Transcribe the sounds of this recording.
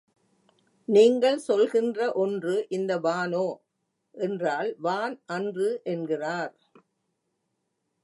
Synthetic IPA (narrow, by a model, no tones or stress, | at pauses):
niːŋɡɐɭsɔlɣɪndrɐʔɔndrɯʔɪnd̪ɐʋaːnoː | ʔɛndraːlʋaːnʔɐndrɯʔɛnɡɪraːɾ